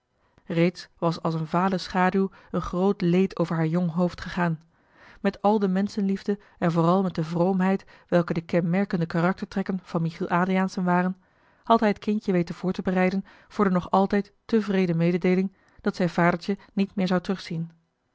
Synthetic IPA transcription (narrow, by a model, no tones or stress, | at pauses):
rejtsʋɑsɑlˠsənvaːləsχaːdylˠ | ənχrowtlejtʰowvəɹɦaːɹjɔŋɦowftχəχaːn | mɛtɑlˠdəmɛnsənlivdə | ɛnvʊːrɑlˠmɛt̚dəvrowmɦɛjt | ʋɛlˠkədəkɛnmɛɹkəndəkarɑk̚təɹtrɛkənv̥ɑnmiχilˠʔaːdriaːnsənʋaːrən | hɑtɦɛjɦətkɪncəʋejtənv̥ʊːɹtəbərɛjdən | v̥ʊːɹdənɔχɑlˠtɛjtː | əvrejdəmejdədejlɪŋ | d̥ɑtsɛjnvaːdəɹtənitmɪːɹzɑwtrɵχsin